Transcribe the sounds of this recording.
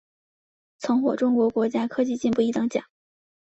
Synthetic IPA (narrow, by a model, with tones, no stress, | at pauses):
t͡sʰʊ˧˥ŋxwɔ˨˩ʈ͡ʂʊ˥ŋkwɔ˧˥kwɔ˧˥t͡ɕja˥kʰɤ˥t͡ɕi˥˧t͡ɕi˥˧npu˥˩i˧˥t̪ɤ˧˥ŋt͡ɕjɑ̰˨˩˦